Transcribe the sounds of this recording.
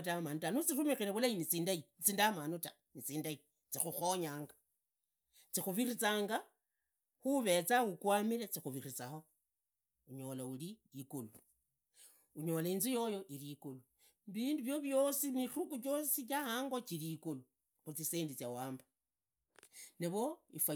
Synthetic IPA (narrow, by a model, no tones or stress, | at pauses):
tamanutanut͡sirumixineβulainit͡siːndait͡siːndamanuta | nit͡siːndai | t͡sixuxo̞ɲaːŋɡa | t͡sixuβirit͡saːŋɡa | xuβe̞t͡saukwamiɾet͡sixuβirit͡saxo̞ | uɲo̞lauliikulu | uɲo̞lainzijo̞jo̞ʔiɾikulu | βiːnduβjo̞βjo̞simirukut͡ʃo̞sit͡ʃahaːŋɡo̞t͡ʃiɾikulu | xut͡siseːndit͡sjawaːmba | neβo̞ifwa